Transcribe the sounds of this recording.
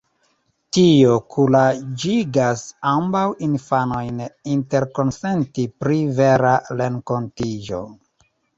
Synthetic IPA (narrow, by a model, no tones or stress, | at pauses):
tiokʰulad͡ʒiɡasambawinfano̞jninte̞ɾko̞nsentipɾiveɾaɾe̞ŋko̞ntid͡ʒo̞̰